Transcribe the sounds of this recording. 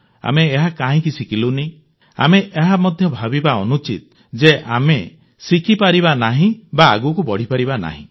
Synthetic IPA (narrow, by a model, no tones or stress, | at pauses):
a̰meːɦakãɦĩkisikilunẽ | a̰meʔeɦamɔd̪ʱjɔbʱabibaɔnut͡ʃḭt̪̚ | d͡ʒeʔa̰me | sikipaɾiβanaɦĩba̰ːɡukubɔɽ̤ipaɾibana̰ɦḭ̃